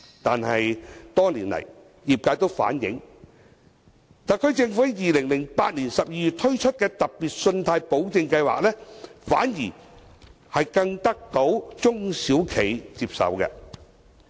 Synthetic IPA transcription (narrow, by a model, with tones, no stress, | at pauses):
t̪aː˨nhɐ˨jt̪ɔː˥ŋliː˨˩nlɐ̰˨˩j | jiː˨p̚kaː˧˥t̪o˥wfa̰ː˨˥njɪ˨˥ŋ | t̪aː˨kʰɵ˨˧ɥt͡sɪ˧ŋfu˨˥hɐ˨˥jiː˨lɪ˨˩ŋlɪ˨˩ŋpaː˧t̚niː˨˩nsɐ˨p̚jiː˧jy˨t̚t̪ʰɵ˥t͡ʃʰɵ˥t̚kɛː˧t̪ɐ˨k̚piː˨t̚sɵ˧nt̪ʰaː˧jpo˨˥wt͡sɪ˧ŋkɐ˧jwa̰ː˨k̚lɛː˥fa̰ː˨˥njiː˨˩ | hɐ˨jkɐ˧ŋt̪ɐ˥k̚t̪o˨˥wt͡sʊ˥ŋsiː˨˥wkʰe˨˩jt͡siː˧p̚sɐ̰˨wkɛ̰˧